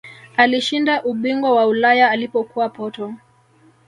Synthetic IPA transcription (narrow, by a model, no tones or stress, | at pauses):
aliʃindaʔuɓiŋɡwawaulajaːlipɔkuwapɔtɔ